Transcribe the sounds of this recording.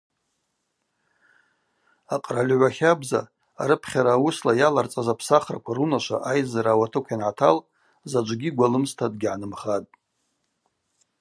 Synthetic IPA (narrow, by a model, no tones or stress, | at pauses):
aqʼralʲʕʷaχʲabza̰ | a̰ɾɨpʰχʲaɾaːwuslajalart͡sʼazapʰsaχra̰kʷʰaɾunaʃʷa̰ʔajzaɾaːwatʰɨkʷʰjanʕatʰal | zad͡ʒʷʼɡʲiɡʷalɨmstʰad̚ɡʲʕanɨmχatʼ